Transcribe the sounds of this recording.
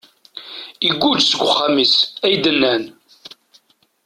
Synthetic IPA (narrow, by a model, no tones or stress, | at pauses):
iɡʷːud͡ʒsəɡʷʊχːamisæjd̪ənːæn